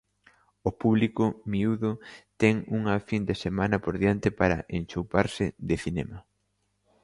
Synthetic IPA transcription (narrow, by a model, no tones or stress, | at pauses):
opuβlikʊmiuðʊt̪ɛŋuŋɐfind̪esemanɐpoɾðiant̪epaɾɐ̰ʔent͡ʃowpaɾsɪðɪθinɛmɐ